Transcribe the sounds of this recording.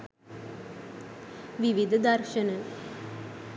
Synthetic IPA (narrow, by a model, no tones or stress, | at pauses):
ʋiʋid̪ʱɐd̪ɐrʃɐnɐ